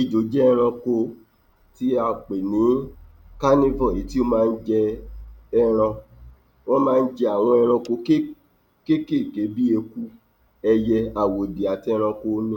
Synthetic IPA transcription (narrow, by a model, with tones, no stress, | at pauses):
i˨d͡ʒo˨˦d͡ʒɛ˦˧ɾ̃ã˧ko˧ | ti˦a˧˨k͡pe˨nĩ˨˦ | ka˦nĩ˦vɔ̃˦˨e˨˦ti˦o˦mãː˦˧n̩˦d͡ʒɛ˧ | ɛ˧ɾ̃ã˧ | w̃ɔ̃˦mãː˦˧n̩˦d͡ʒɛ˧a˨w̃ɔ̃˧ɛ˧ɾ̃ɔ̃˧ko˧˦ke˦ | ke˦ke˦˨ke˨˦bi˦e˧ku˦ | ɛ˧jɛ˧a˨wo˨di˨a˨ti˧˦ɛ˧ɾ̃ã˧ko˧˦nĩ˦˨